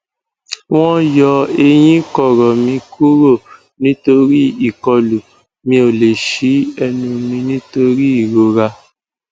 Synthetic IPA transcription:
w̃ɔ̃˦jɔ˧e˧j̃ĩ˦kɔ˦˨ɾɔ˨mĩ˧kʰu˦ɾo˦˨ | nĩ˦to˧ɾi˦i˦˨kɔ˧lu˨ | mĩ˧o˨le˨ʃi˨˦ɛ˧nũ˧mĩ˧nĩ˦to˧ɾi˦i˦˨ɾo˨˧ɾa˧

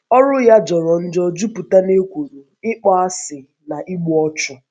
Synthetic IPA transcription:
ɔ˦ɾʊ˦ja˦d͡ʒɔ˨ɾɔ˨n̩˦d͡ʒɔ˦d͡ʒu˦pu˨ta˦ne˦kʷo˨ɾo˨ | ɪ˦k͡pɔ˦a˦sɪ˨ | na˨ʔi˦ɡ͡bu˦ɔ˦t͡ʃʊ˦

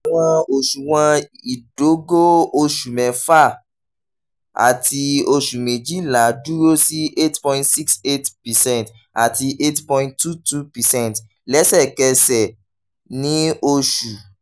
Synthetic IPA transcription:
a˨w̃ɔ̃˧o˨ʃu˨w̃ɔ̃˧i˨do˨˦ɡo˦o˧ʃu˨mɛ̃˨fa˦˨ | a̰˨ti˧o˧ʃu˨me˨d͡ʒi˨˦˨la˨˦du˦ɾo˦si˦ʔe˦tpɔ̃˧˦ĩntsi˦kse˦tpi˨sɛ̃˦˨nt | a˨ti˧ʔe˦tpɔ̃˧ĩnttːu˦˨tu˦pɛ˨sɛ̃˦nt | lɛ˨˦sɛ˦˨kɛ˧sɛ˨ | nĩ˨˦o˧ʃu˨

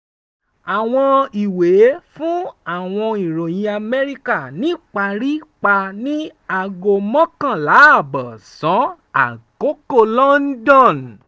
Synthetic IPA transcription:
a˨w̃ɔ̃˧i˨we˨˦fũ˦a˦˨w̃ɔ̃˧i˨ɾo˨j̃ĩ˧a˧mɛ˧ɾi˦ka˦˨nĩ˨˦k͡pa˧ɾi˦k͡pa˧nĩ˦a˧ɡo˧mɔ̃˦kã˦˨la˨˦˨bɔ˨sɔ̃˨˦ | a̰˨ko˨˦ko˦˨lɔ̃˦n̩˦dɔ̃˦˨n

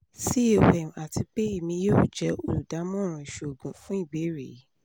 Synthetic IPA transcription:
si˦o˨ɛ˨m˨a˨ti˧k͡pe˦i˦˨mĩ˧joː˦˨d͡ʒɛ˨˦o˦˨lu˨da˨˦mɔ̃˦ɾ̃ũ˧i˨ʃo˨ɡũ˨fũ˦i˦˨be˨˦ɾḭ˨˦

